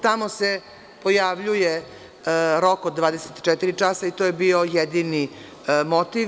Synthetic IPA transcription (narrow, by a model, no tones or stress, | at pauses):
t̪amose | po̞jaʋʎuje | ɾokod̪ːʋaːd̪eset̪t͡ʃɛt̪iɾit͡ʂasait̪ojebio̞jed̪ini | mot̪iʋ